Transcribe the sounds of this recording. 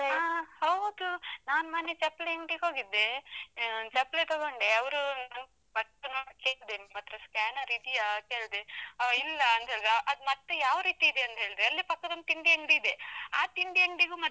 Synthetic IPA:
ahɐwd̪unaːnmaːnːet͡ʃepːleeŋɡɖiɡo̞ːɡid̪ːe̞ | t͡ʃɐpːlet̪ɔɡoɳɖeɐʋɾunɐn | bɐʈːɐnoːɽkːeːɭd̪emmɐt̪ːɾɐskæːnɐɾid̪ijakeːɭd̪eilːɐːnt̪ɐɦeːɭid̪ʔɐd̪umɐt̪ːejaːʋɾiːt̪iːd̪eɐnt̪ɐɦe̞ːɭd̪ɾeɐlːipɐkːɐd̪ɐnd̪t̪iɳɖieŋɡɖiːd̪eaːt̪iɳɖieŋɡɖiɡuːmɐ

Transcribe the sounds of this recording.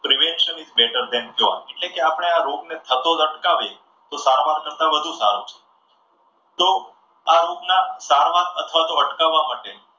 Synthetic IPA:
pɾiʋɛnʃənizbeʈəɾd̪ɛnd͡ʒoʋa̰eʈlekeapəɽ̃eaɾoɡnet̪ʰət̪oləʈkaʋe | t̪osaɾʋankəɾt̪abəd̪ʱũsa̰ɾot͡ʃʰe̥ | t̪o | aɾoɡnasaɾʋanət̪ʰʋat̪oəʈkaʋːamaʈeni

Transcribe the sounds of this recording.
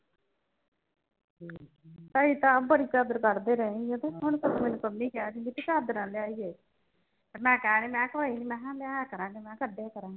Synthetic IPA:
t̪aːiːt̪ãːbəɽiːt͡ʃaːd̪əɾkəɾd̪eːɾəẽod̪eɦʊɳsəbiːmɛːnũːkəmːĩːkɛaːd͡ʒĩnd̪iːt̪et͡ʃaːd̪əɾãːlɪaːiːeː | əmɛ̃ːkɛːneːmɛ̃ːkoaimɛ̃ːãːleaːjaːkəɾãːɡeːmɛ̃ːkəɖeːkəɾãːɡː

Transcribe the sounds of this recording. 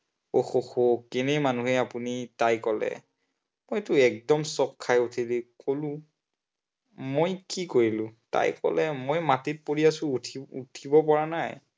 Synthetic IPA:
oxoxokɛnɛjmanuɦɛapunitajkɔlɛ̰ | mojtʊɛk̚dɔmsɔkʰːajutʰilikolʊ̃ | mojkikoɹilʊ̃ta̰jkɔ̰lɛmojmatit̚poɹiasʊ̃tʰiṵtʰibɔpɔɹanaj

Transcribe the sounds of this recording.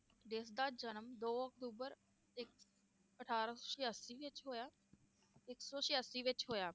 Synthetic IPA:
d̪ɪsd̪aːd͡ʒənəmd̪oːək̚t̪uːbəɾ | ɪk | əʈʰaːɾasɔːʃɪjaːsiːʋɪt͡ʃɦoːjaː | ɪksɔːʃɪjaːsiːʋɪt͡ʃɦoːjaː

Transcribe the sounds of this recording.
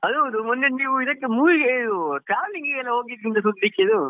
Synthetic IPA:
ɐd̪ud̪umɔnːeniːʋuiðɐkːemuːʋiɡeid̪uʈɾaːʋliŋɡɡɛlːɐɦoːɡid̪ɾind̪ɐsud̪ːikːeid̪u

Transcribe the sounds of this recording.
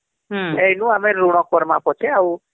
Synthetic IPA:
ejnũameɾuɽ̃ɔkɔɾmãpɔt͡ʃʰeaũ

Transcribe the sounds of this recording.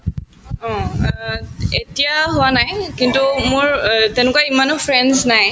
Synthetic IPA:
ɔ̃ | et̪ijaɦuwanaekint̪umuɹt̪ɛnukaimanofʰɾɛnznae

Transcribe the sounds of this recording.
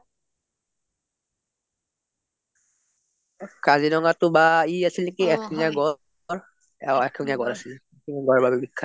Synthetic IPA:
kazinɔŋatʊbaiasilikiɛkʰiŋaɡɔ | ɹ | ɛkʰiŋaɡɔɹasilɛkiŋaɡɔɹɛbabɛbikʰːa

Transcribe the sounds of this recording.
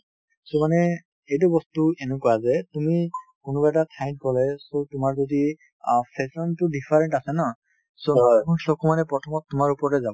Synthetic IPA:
somanɛ | ejt̬ubɔstuenukɔwazɛtumikʊnubaɛtatʰajn̚kɔlɛsotʊmaɹzodi | pʰɛsɔntʊdipʰaɹɛntasɛnɔ | sokunsɔkʰumanɛpɹɔtʰɔmɔtːʊmaɹupɔɹɔtɛzabɔ

